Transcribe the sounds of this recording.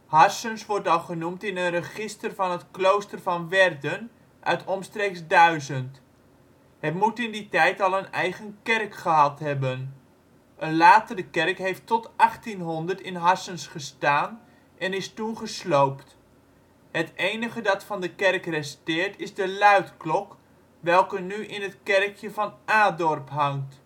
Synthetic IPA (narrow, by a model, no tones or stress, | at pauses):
hɑsənsʋɔrtɑlˠχənumtɪnənrəχɪstərvɑnətklowstərvɑnʋɛrdən | ʔœ̰ɥtʰɔmstreːksdœɥzənt | hətmutɪnditɛjtɑlˠənɛjχənkɛrkχəɦɑtɦɛbən | ʔənlaːtərdəkɛrkɦejftɔtɑχtinɦɔndərtɪnɦɑsənsχəstaːn | ʔɛnɪstuχəslowpt | hətejnəχədɑtfɑndəkɛrkrɛstɪːɹtɪzdəlœɥtklɔk | ʋɛlˠkənyʔɪnətkɛrkʰjəvɑnʔaːdɔrpɦɑŋt